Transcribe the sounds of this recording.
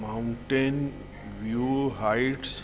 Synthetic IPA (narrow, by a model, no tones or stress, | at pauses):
maʊ̃ɳʈen | ʋjuɦajʈs